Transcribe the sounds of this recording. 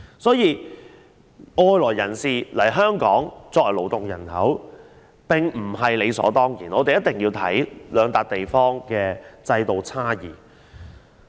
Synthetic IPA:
sɔː˨˥jiː˨˧ | ʔɔː˧jlɔː˨˩jːɐ˨˩nsiː˨lɐ˨˩jɦœː˥ŋkɔː˨˥ŋt͡sɔː˧k̚ɐ˨˩lo˨˩wt̪ʊ˨ŋjɐ̰˨˩nhɐ˨˥w | pɪ˨˩ŋm̩˨˩ɦɐ˨jle˨˧jsɔ̰ː˨˥t̪ɔː˥ŋjiː˨˩nɔː˨˧t̪e˨jɐ˥t̪̚ɪ˨˩ŋjiː˧wt̪ʰɐ̰˨˥jlœː˨˧ŋt̪aː˨˧k̚t̪e˨jfɔː˥ŋkɛː˧t͡sɐ˧jt̪o˨wt͡sʰaː˥jiː˨˩

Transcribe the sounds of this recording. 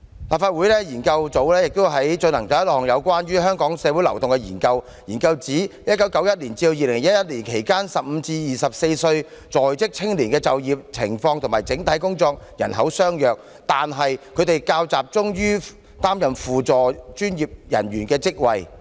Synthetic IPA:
laː˨˩p̚faː˧t̚wu˨˥jlɛː˥jiː˨˩nkɐ˧wt͡so˨˥wlɛː˥jɪ˨k̚t̪ʊ˥ɦɐ˨˥jt͡ʃɵ˧nɐ˨˩ŋt͡sɔː˨˥jɐ˥lɔː˨˩ŋjɐ˨˧wkʷaː˥nɥyː˥ɦœː˥ŋkɔː˨˥ŋsɛː˨˧wu˨˥jlɐ˨˩wt̪ʊ˨ŋkɛ˧jḭː˨˩nkɐ˧w | jiː˨˩nkɐ˧wt͡siː˨˥jɐ˥t̚kɐ˨˥wkɐ˨˥wjɐ˥t̚liː˨˩nt͡siː˧o˧jiː˨lɪ˨˩ŋjɐ˥t̚jɐ˥t̚liː˨˩nkʰe˨˩jkaː˥nsɐ˨p̚m̩ː˨˧t͡siː˧jiː˨sɐ˨p̚se˧jsɵ˧ɥ | t͡sɔː˨˩jt͡sɪ˥k̚t͡sʰɪ˥ŋliː˨˩nkɛː˧t͡sɐ˨wjiː˨˩p̚t͡sʰɪ˨˩ŋfɔː˧ŋt̪ʰʊ˨˩ŋmaː˨˩jt͡sɪ˨˥ŋt̪ʰɐ˨˥jkʊ˥ŋt͡sɔː˧k̚jɐ˨˩nɦɐ̰˨˥wsœː˥ŋjœː˨˩k̚ | t̪aː˨nɦɐ˨jkʰɵ˨˧ɥt̪e˨jkaː˧wt͡saː˨˩p̚t͡sʊ˥ŋjyː˥ | t̪aː˥mjɐ˨mfuː˨t͡sɔː˨˩t͡ʃyː˥njiː˨p̚jɐ̰˨˩nɥyː˨˩nkɛː˧t͡sɪ˥k̚wɐ˨j

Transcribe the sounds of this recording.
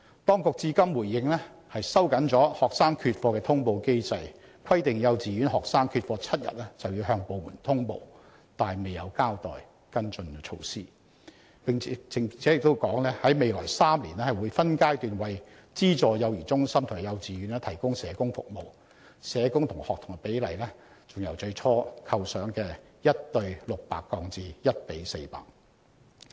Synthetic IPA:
t̪ɔː˥ŋkʊ˨k̚t͡siː˧kɐ˥mwuː˨˩jːɪ˧ŋlɛː˥ | hɐ˨jsɐ˥wkɐ˨˥nt͡sɔː˨˥hɔː˨k̚saː˥ŋkʰyː˧t̚fɔː˧kɛː˧t̪ʰʊ˥ŋpo˧wke˥jt͡sɐ˧j | kʰɐ˥jt̪ɪ˨ŋjɐ˨˧wt͡siː˨ɥyː˨˥nhɔː˨k̚saː˥ŋkʰyː˧t̚fɔː˧t͡sʰɐ˥t̚jɐ̰˨t̚lɛ˥t͡sɐ˨wjiː˧wɦœː˧ŋpo˨˧wmuː˨˩nt̪ʰʊ˥ŋpo̰˨˧w | t̪aː˨jme˨˩jjɐ˨˧wkaː˥wt̪ɔ̰ː˨˩j | kɐ˥nt͡ʃɵ˧nt͡ʃʰo̰˧wsiː˥ | pɪ˨ŋʰː˨˦˥ɪ˨ŋ˨˩t͡sʰɛ˨˥ɪ˨k̚t̪o˥wkɔː˨˥ŋlɛː˥hɐ˨˥jme˨jlɔː˨˩jsaː˥mliː˨˩nɛː˥hjwuː˨˧jfɐ˥nkaː˥jt̪yː˨nwɐ˨j | t͡siː˥t͡sɔː˨jɐ˨˧wjiː˨˩t͡sʊ˥ŋsɐ˥mt̪ʰjɐ˨˧wt͡siː˨jyː˨˧nɛː˥t̪ʰɐ˨˩jkʊ˥ŋsɛː˨˧kʊ˥ŋfʊ̰˨k̚mo˨˩w | sɛː˨˧kʊ˥ŋt̪ʰʊ˨˩ŋhɔː˨k̚t̪ʰʊ˨ŋɐ˨˩pe˨˥jlɐ˨˩jlɛː˥ | t͡sʊ˨˩ŋjɐ̰˨˩wt͡ʃɵ˧ɥt͡sʰɔː˥kʰɐ˧wsœː˨˥ŋkɛː˧jɐ˥t̚t̪ɵ˧ɥlʊ˨k̚pa̰ː˨kːɔː˧ŋt͡siː˨jɐ˥t̚pe˨˥jse˧jpa̰ː˨k̚

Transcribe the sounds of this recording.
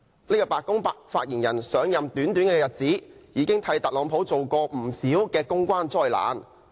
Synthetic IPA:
ne˥kɔː˧˩paː˨kːʊ˥ŋpa˧faː˧t̚jiː˨˩njɐ˨˩nsœː˨˥ŋjɐ˨mt̪yː˨˥nt̪yː˨˥nkɛː˧jɐ˨t̚t͡siː˨˥jiː˨˧kɪ˥ŋt̪ʰɐ˧jt̪ɐ˨k̚lɔː˨˥ŋpʰo˨˥wt͡so˨wkɔː˧m̩˨˩siː˨˥wkɛː˧kʊ˥ŋkʷwaː˥nt͡sɔː˥jla̰ː˨˥n

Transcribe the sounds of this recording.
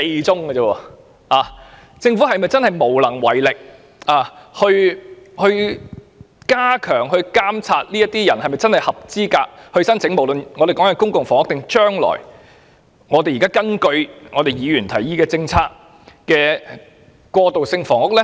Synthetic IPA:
te˧jt͡sʊ˥ŋkɐ˧t͡sɐ˧wɔː˧ | aː˨ | t͡sɪ˧ŋfu˨˥ɦɐ˨jmɐ˨˩jt͡sɐ˥nhɐ˨jmo˨˩wlɐ˨˩ŋwɐ˨˩jlɪ˨k̚ | ʔaː˨˧hɵ˧ɥhɵ˧ɥ | kaː˥kʰœː˨˩ŋhɵ˧ɥkaː˥mt͡sʰaː˧t̚liː˥jɐ˥t̪iː˥jɐ˨˩nhɐ˨jmɐ˨jt͡sɐ˥nhɐ˨jhɐ˨p̚t͡siː˥kaː˧k̚hɵ˧ɥsɐ˥nt͡sʰɪ˨˥ŋmo˨˩wlɵ˨nŋɔː˨˧e˨kɔ˨˥ŋɐ˧kʊ˥ŋkʊ˨ŋfɔː˨˩ŋʊ˥k̚t̪ɪ˨ŋt͡ʃœː˥ŋlɔ̰ː˨˩j | ŋɔː˨˧e˨jiː˨˩kaː˥kɐ˥nkɵ˧ɥŋɔː˨˧t̪e˨jjiː˨˧jy˨˩nt̪ʰɐ˨˩jjiː˧kɛː˧t͡sɪ˧ŋt͡sʰaː˧k̚ | kɛː˧ | kʷɔː˧t̪o˨wsɪ˧ŋfɔː˨˩ŋʊ˥k̚lɛ˥

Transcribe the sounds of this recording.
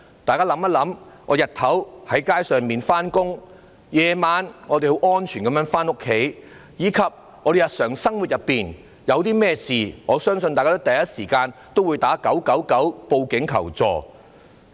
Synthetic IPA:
t̪aː˨jkaː˥lɐ˨˥mɐ˥lɐ˨˥mŋɔː˨˧jɐ˨t̪̚ʰɐ˨˥whɐ˨˥jkaː˥jsœː˨ŋmiː˨nfaː˥nkʊ˥ŋ | jɛː˨˧maː˨˧nŋɔː˨˧d̪e˨jho˨˥wɔː˥nt͡ʃʰyː˨˩nkɐ˨˥mjœː˧˥ŋfaː˥nʊ˥kʰːe˨˥jjiː˨˧kʰɐ˨p̚ | ŋɔː˧ɾe˨jɐ˨t̚sœː˨˩ŋsɐ˥ŋwu˨t̚jɐ˨pːiː˨n | jɐ˨˧wt̪iː˥mɛː˥siː˨ŋɔː˨˧sœː˥ŋsɵ˧nt̪aː˨jka˥t̪ɐ˨jɐ˥t̚siː˨˩kaː˧nt̪o˥wuː˨˧jt̪aː˨˥kɐ˨˥wkɐ˨˥wkɐ˨˥wpo˧wkɪ˨˥ŋkʰɐ˨˩wt͡sɔ̰ː˨

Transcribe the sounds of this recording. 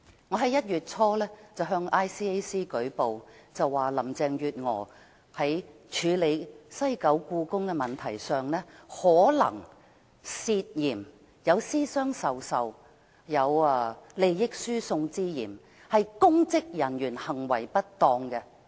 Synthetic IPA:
ŋɔː˨˧ɦɐ˨˥jɐ˥t̚jyː˨t̚t͡sʰɔː˥lɛː˥t͡sɐ˨wɦœː˧ŋaː˥jsiː˥e˥jsiː˥kɵ˨˥ɥpo˨wt͡sɐ˨wːaː˨˩lɐ˨˩mt͡sɛː˧ŋjyː˨t̚ŋɔ̰ː˨˩ | hɐ˨˥j | t͡ʃʰyː˨˧le˨˧jsɐ˥jkɐ˨˥wkuː˧kʊ˥ŋkɛ˧mɐ˨nt̪ʰɐ˨˩jsœː˨ŋlɛː˥hɔː˨˥lɐ̰˨˩ŋ | siː˧t̚jiː˨˩m | jɐ˨˧wsiː˥sœː˥ŋsɐ˨wsɐ˨w | jɐ˨˧wle˨jːɪ˥k̚syː˥sʊ˧ŋt͡siː˥jiː˨˩m | hɐ˨jkʊ˥ŋt͡sɪ˥k̚jɐ˨˩njyː˨˩nhɐ˨˩ŋwɐ̰˨˩jpɐ˥t̚t̪ɔː˧ŋkɛ˧

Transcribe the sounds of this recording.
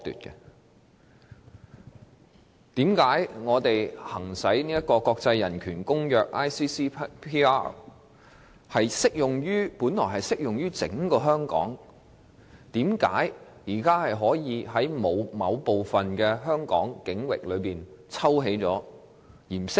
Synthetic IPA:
t̪y̰˨t̚kɛ˧ | t̪iː˨˥mkaː˨˥jŋɔː˨˧t̪e˨jhɐ˨˩ŋsɐ˨˥jni˥jɐ˥t̚kːɔː˧kɔː˧k̚t͡sɐ˧jːɐ˨˩nkʰyː˨˩nkʊ˥ŋjœː˧k̚ʔaː˥jsiː˥siː˥pʰiː˥a˥ | hɐ˨jsɪ˥k̚jʊ˨ŋjyː˥puː˨˥nlɔː˨˩ɦɐ˨jsɪ˥k̚jʊ˨ŋɥyː˥t͡sɪ̰˨˥ŋkɔː˧ɦœː˥ŋkɔ̰ː˨˥ŋ | t̪iː˨˥mka̰ː˨˥j | jiː˨˩kaː˥hɐ˨jɦɔː˨˥jiː˨˧ɦɐ˨˥jmo˨˧wmɐ˨˧wpo˨wfɐ˨nkɛː˧ɦœː˥ŋkɔ̰ː˨˥ŋkɪ˨˥ŋwɪ̰˨k̚lɵ˨˧ɥpiː˨n | t͡sʰɐ˥wɦe˨˥jt͡sɔ̰ː˨˥ | jiː˨˩msɪ˥k̚

